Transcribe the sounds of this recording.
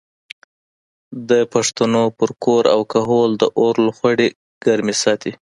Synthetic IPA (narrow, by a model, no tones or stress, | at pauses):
d̪əpaʂt̪anopəɾkoɾa̰wkaɦold̪əʔoɾlxwaɽe | ɡ̥aɾmesɑt̪i